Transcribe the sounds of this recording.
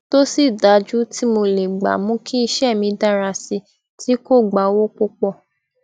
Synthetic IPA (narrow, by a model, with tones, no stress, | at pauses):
to˦si˦˨da˨˦d͡ʒu˦ti˦mo˧le˨ɡ͡ba̰˨mũ˦kʰi˦i˧ʃɛ˦˨mĩ˧da˦ɾa˧si˧ | tʰi˨˦ko˦˨ɡ͡ba˨˦wo˦k͡po˧k͡pɔ˦˨